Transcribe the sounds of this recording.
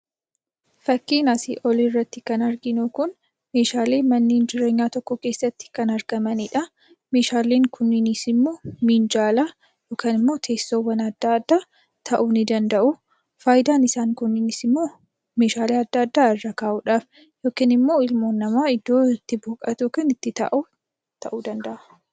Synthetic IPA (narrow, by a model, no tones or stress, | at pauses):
fɐkːiːnɐsɪ̰ʔɔlɪrːɐt̪ːɪkɐnɐɾɡɪnʊkʊn | me̞ːʃaːle̞ːmɐnːeːnd͡ʒɪɾe̞ːɲːaːt̪ɔkːɔke̞ːsːɐt̪ːɪ̥kɐnɐɾɡɐmɐnɪᶑɐ | me̞ːʃaːleːŋkʰʊnːɪnisɪmːo̞ːmiːnd͡ʒaːla | joːkaːnɪmːo̞ːt̪ʰe̞ːsːoːwːɐnɐd̪ːaːd̪ːaː | t̪ʰɐʔuːnɪd̪ɐnd̪ɐʔʊ | faːjd̪aːnɪsaːŋkʊnːɪnisɪmːo̞ː | me̞ːʃaːleːɐd̪ːɐːd̪ːaːɪrːɐkaːʔuːᶑaːf | jo̞ːkɪnɪmːo̞ːɪlmoːnːɐmaːɪd̪ːo̞ːɪt̪ːɪboːkʼɐt̪joːkaːnɪt̪ːɪt̪ɐ̰ʔu | t̪ʰɐʔuːd̪ɐnd̪ɐʔɐ̥